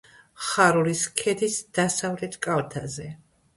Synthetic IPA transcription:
χaɾuliskʰɛd̪isd̪̥asavlɛt̪ʰkʼalˠt̪ʰazɛ

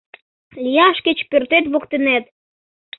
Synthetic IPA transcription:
lijɑʃkət͡ɕpørt̪et̪βokt̪ənet̪

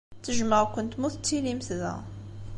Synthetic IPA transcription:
t̪ːəʒməʁkʊnt̪muθt͡s̪ːilimθðæ̰

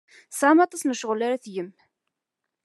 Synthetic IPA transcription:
sˤʕmɑt̪ˤɑsnəʃəʁlaɾæθjəm

